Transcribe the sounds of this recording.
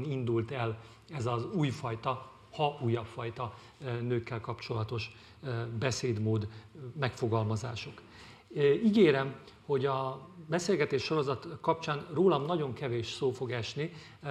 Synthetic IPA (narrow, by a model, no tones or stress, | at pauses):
nind̪ult̪ɛl | ɛzɒzuːjfɒjt̪ɒ | hɒuːjːɒpfɒjt̪ɒ | nøːkːɛlkɒpt͡ʃo̞lɒt̪o̞ʃ | bɛseːd̪moːd̪mɛkfo̞ɡɒlmɒza̰ːʃok | iɡeːɾɛmho̞ɟɒbɛseːlɡɛt̪eːʃːo̞ɾo̞zɒt̪kɒp̚t͡ʃaːnroːlɒmnɒɟo̞ŋkɛveːʃsoːfo̞ɡɛʃni